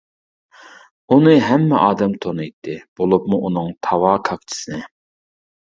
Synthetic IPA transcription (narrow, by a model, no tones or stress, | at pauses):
unɨɦɛmːɛʔɑːd̪ɛmt̪ʰonɨjt̪ʰːɨb̥olˠupmuʔunɨŋt̪ʰɑvɑːkʰɑkt͡ʃʰi̥sɨnɪ